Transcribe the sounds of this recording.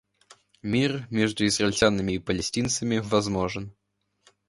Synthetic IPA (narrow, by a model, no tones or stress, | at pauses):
mʲirmʲɛʐd̪uizrɐlʲt͡sʲanɨmʲiːpɐlʲɛsʲtʲint̪sɐmʲivazmɔʐɨn